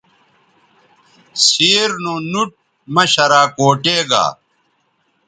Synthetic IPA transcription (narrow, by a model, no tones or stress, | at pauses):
siːɾnonuʈ̚ | mɐɕɐɾaːkoːʈeːɡa̰ː